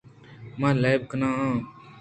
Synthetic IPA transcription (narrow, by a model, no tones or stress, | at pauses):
mãːlaːjbkənãːɦãː